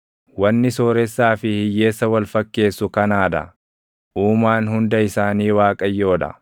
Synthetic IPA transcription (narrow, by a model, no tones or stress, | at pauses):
wɐnːɪsoːɾɛsːaːfɪhɪjːe̞ːsːɐwɐlfɐkːe̞ːsːʊkɐnaːd̪ɐ̰ | ʔuːmaːnhʊnd̪ɐɪsaːniːwaːkʼɐjːo̞ːᶑ̪ɐ̰